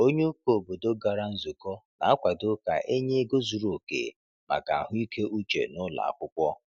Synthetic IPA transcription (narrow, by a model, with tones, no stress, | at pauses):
o˦ɲe˦u˦ko˨bo˨do˦ɡa˨ɾa˦n̩˦zu˨kɔ˦na̰˨a˦kʷa˨do˦ka̰˨ʔe˦ɲe˦ɡo˦zu˨ɾo˨kḛ˨ | ma̰˨ka˨a˨ɦʊ˦i˦kʰe˦ʔu˦t͡ʃḛ˨nʊ˦la̰˨a̰˨kʷʊ˦kʷɔ˦